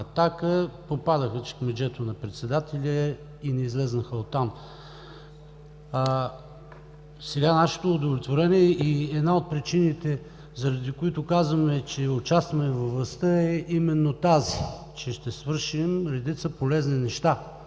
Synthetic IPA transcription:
ɐt̪akəpopad̪əxət͡ʃɛ̥kmɛd͡ʒɛt̪onɐpɾɛt̪sɛd̪at̪ɛlʲə | inɛizlɛznəxəot̪ːam | sɛɡanaʃɛ̥t̪oːd̪ovlʲɛt̪voɾɛniɛʔiɛd̪naot̪̚pɾit͡ʃinit̪ɛ | zɐɾɐd̪ikoit̪ʊkazvəmɛt͡ʃɛʊt͡ʃast̪vɐmɛvɐvlˠɐst̪əɛʔimɛnːot̪azi | t͡ʃɛʃt̪ɛsvɤɾʃimɾɛd̪it̪səpolɛzninɛʃt̪a

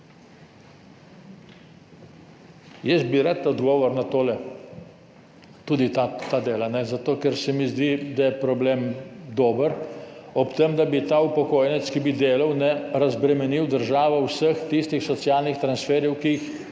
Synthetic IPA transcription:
jɛsbiɾat̪ɔd̪ɡɔːʋɔɾnat̪oːlɛ | t̪uːd̪it̪at̪ad̪eːlanɛzat̪oːkɛɾsɛmizd̪id̪ajɛpɾɔbleːmd̪oːbəɾɔpt̪emd̪abit̪aupɔkoːjnɛt̪skibid̪eːlɐwnɛɾazbɾɛmɛniwd̪əɾʒaːʋɔwsəxt̪ist̪ixsɔt̪sjaːlnixt̪ɾansfɛːɾjɛwkix

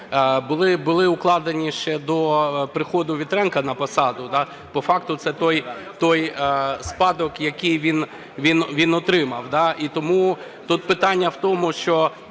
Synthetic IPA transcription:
bʊlˠɪbʊlˠɪʊklˠɑd̪enʲiʃt͡ʃɛd̪ɔpɾɪxɔd̪ʊʋʲit̪ɾɛnkɐnɐpɐsɑd̪ʊd̪ɑ | pɔfɑkt̪ʊt̪sɛt̪ɔjt̪ɔjspɑd̪ɔkjɐkɪjʋʲin | ʋʲinʋʲinɔt̪ɾɪmɐwd̪ɑʔit̪ɔmu | t̪ut̪̚pɪt̪ɑnʲːɐwt̪ɔmʊʃt͡ʃɔ

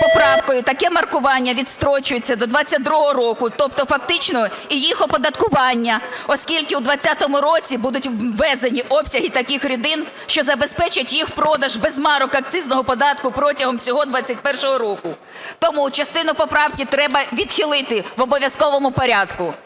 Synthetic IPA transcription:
pɔpɾɑwkɔjʊt̪ɐkɛmɐrkʊʋɑnʲːɐʋʲid̪st̪ɾɔt͡ʃʊjet͡sʲːɐd̪ɔd̪ʋɑt͡sʲːɐt̚ʲd̪ɾuɦɔɔɾɔkʊt̪ɔpt̪ɔfɐkt̪ɪt͡ʃnɔijixɔpɔd̪ɐt̪kʊʋɑnʲːɐɔskʲilʲkɪwd̪ʋɐt͡sʲːat̪ɔmʊɾɔt͡sʲibud̪ʊtʲːɛzenʲiʔɔpsʲɐɦit̪ɐkʲɪxɾʲʊd̪ɪn | ʃt͡ʃɔzɐbespɛt͡ʃɪtʲjixpɾɔd̪ɐʒbɛzmɑɾʊkɐk̚t̪ʲɪznɔɦɔpɔd̪ɑt̪kʊpɾɔtʲɐɦɔmsʲɔɦɔd̪ʋɑt͡sʲːɐtʲpɛrʃɔɦɔɾɔkʊ | t̪ɔmut͡ʃɐst̪ɪnʊpɔpɾɑwkɪt̪ɾɛbɐʋʲid̪xɪlˠɪt̪ɪʋɔbɔʋʲjɐskɔʋɔmʊpɔɾʲɑd̪kʊ

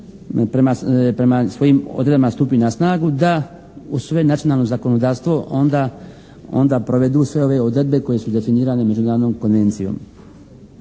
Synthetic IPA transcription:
pɾemapɾe̞masʋo̞jiːmo̰d̪ɾed̪bamast̪uːpinasnaːɡud̪a | usʋe̞nat̪io̞naːlno̞zako̞nod̪aːɾst̪ʋo̞ʔond̪a | o̞̰nd̪aːpɾo̞ʋe̞d̪uːsʋe̞oʋe̞o̞d̪ɾe̞d̪̚be̞ko̞je̞sud̪e̞finiːɾaːneme̞d͡ʒunaːɾod̪nomko̞nʋe̞nt̪sijo̰ːm

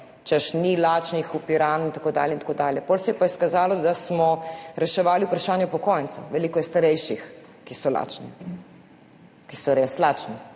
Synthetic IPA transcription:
t͡ʃɛʃnilaːt͡ʃnixupiɾaːnint̪akoːd̪a̰ljɛnt̪akoːd̪aːljɛpolsɛjɛpaiskazaːlɔd̪asmɔɾɛʃɛʋaːliupɾaʃaːnjɔpɔkɔːjnt̪t͡s̪oʋɛliːkɔjɛst̪aɾɛjʃix | kisɔla̰ːt͡ʃnḭ | kisɔɾeslaːt͡ʃni

